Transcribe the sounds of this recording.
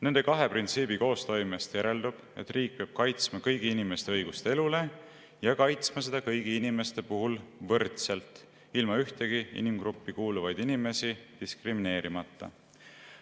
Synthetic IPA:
ne̞nd̪ekɑɦe̞print̪siːbiko̞ːst̪o̞jmest̪jæɾe̞ld̪ub̥ʔe̞̰t̪ːriːk̚peɑb̥̚kɑjt̪smɑkɤjɡ̥iinime̞st̪eɤjɡ̥ust̪ee̞lule̞ | jɑkɑjt̪smɑse̞d̪̥ɑkɤjɡ̥iinime̞st̪e̞puɦulvɤrt̪se̞lt̪ˑ | ilmɑyht̪e̞ɡ̥iḭnimɡ̥ɾupːikuːluvɑjd̪inime̞sid̪̥iskrimine̞ːɾimɑt̪ːɑ̰

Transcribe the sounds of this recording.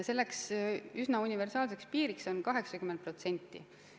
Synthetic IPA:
se̞lːe̞ksysnɑunʲive̞rsɑːlse̞kspiːɾikso̞nkɑɦe̞ksɑkymːent̪̚pro̞t̪se̞nʲt̪ːḭ

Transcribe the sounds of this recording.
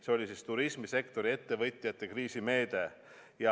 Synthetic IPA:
seo̞lʲisist̪uɾismise̞kt̪o̞ɾie̞t̪ːe̞vɤjt̪ʲːˑijɑt̪ːˑe̞kriːsime̞ːd̪e̞ | jɑ

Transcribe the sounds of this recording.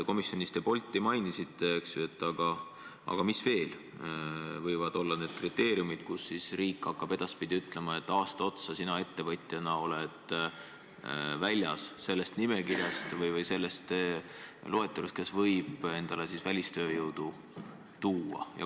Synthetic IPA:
ko̞misːjonʲist̪epo̞lʲt̪ˑːimɑjnisit̪ːˑeeksjuet̪ːˑɑɡ̥ɑ | ʔɑ̰ɡ̥ɑmisve̞ːl | vɤjvɑd̪o̞lːɑne̞ːd̪̥̚krit̪ːˑe̞ːɾiumid̪̥kusːisriːkːˑɑkːɑb̥e̞d̪̥ɑspid̪̥iyt̪ˑle̞mɑe̞t̪ːˑɑːst̪ɑo̞t̪sɑsinɑe̞t̪ːe̞vɤt̪ʲˑjɑnɑo̞le̞d̪̥ | vælʲjɑ̰sse̞lːe̞st̪nime̞kirjɑst̪vɤjvɤjse̞lːe̞st̪ | lo̞e̞t̪ːˑɑɾust̪̚ke̞svɤjb̥e̞nd̪̥ɑle̞sisvælʲist̪ø̞ːjɤwd̪̥u | t̪uːɑ̰jɑ̰

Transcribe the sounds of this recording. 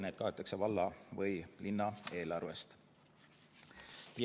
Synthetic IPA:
neːd̪̚kɑet̪ːˑɑkse̞vɑlːɑvɤjlinːɑe̞ːlɑrve̞st̪

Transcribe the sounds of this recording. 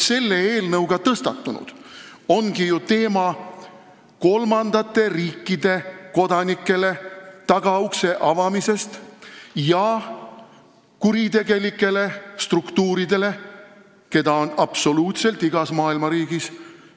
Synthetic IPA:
se̞lːe̞e̞ːlnɤwɡ̥ɑt̪ɤst̪ɑt̪ːˑunṵd̪̥o̞nɡ̥ijut̪e̞ːmɑ | ko̞lmɑnd̪̥ɑt̪ːˑe̞riːkːˑid̪̥e̞ko̞d̪̥ɑnikːˑe̞le̞t̪ɑɡ̥ɑukse̞ʔɑvɑmise̞st̪jɑ | kuɾit̪e̞ɡ̥e̞likːˑe̞le̞st̪rukt̪uːɾid̪e̞le̞ | ke̞d̪ɑonɑpso̞luːt̪se̞lt̪iɡ̥ɑsmɑːilmɑɾiːɡis

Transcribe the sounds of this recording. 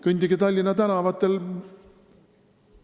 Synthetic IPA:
kynʲd̪iɡet̪ɑlʲːinɑt̪ænɑvɑt̪ːˑel

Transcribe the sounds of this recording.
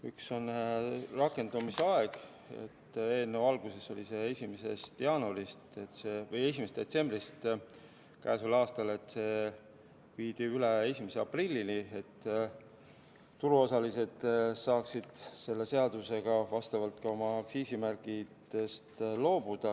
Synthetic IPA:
ykso̞nrɑkːe̞nd̪̥umiseɑe̞ɡ̥ | ḛt̪ːe̞ːnːevɑlɡ̥use̞so̞lise̞esʲimese̞st̪jɑːnuɾist̪et̪ːse̞ːvɤje̞sʲimest̪d̪et̪se̞mbrist̪ | kæ̰ːsulɑːst̪ɑle̞t̪ːˑse̞ː | viːd̪iyle̞e̞sʲimeseɑprilʲːinie̞t̪ː | t̪uɾuo̞sɑlise̞d̪̥sɑːksid̪̥se̞lːe̞se̞ɑd̪use̞ɡ̥ɑvɑst̪ɑvɑlt̪kɑo̞mɑːksiːsimærkid̪̥e̞st̪lo̞ːb̥ud̪̥ɑ

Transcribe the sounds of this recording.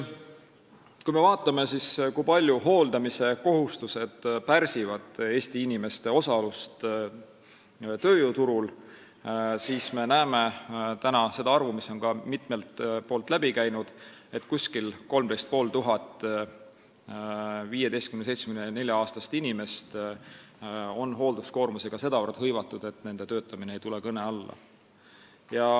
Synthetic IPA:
kujme̞vɑːt̪ːˑɑme̞siskujpɑlʲjuɦo̞ːld̪ɑmise̞ko̞ɦust̪use̞d̪̥pæɾsivɑd̪̥e̞ːst̪iinime̞st̪e̞o̞sɑlust̪ | t̪ø̞ːjut̪uɾul | siːsme̞næːme̞t̪ænɑse̞d̪̥ɑɑrvumiso̞nkɑmit̪me̞lt̪po̞ːlt̪ˑlæb̥ikæjnud̪̥e̞t̪ːˑkusʲkilko̞lmd̪e̞jst̪̚po̞ːlt̪uɦɑt̪ːˑ | viːjed̪e̞jst̪kynesejt̪smnene̞lʲjɑɑːst̪ɑst̪inʲime̞st̪ | o̞nɦo̞ːld̪̥usko̞ːrmuse̞ɡ̥ɑse̞d̪ɑvɤrt̪hɤjvɑt̪ːˑud̪̥e̞t̪ːne̞nd̪̥e̞t̪ø̞ːt̪ːˑɑmineejt̪ule̞kɤne̞ɑlːɑ̰ | jɑ

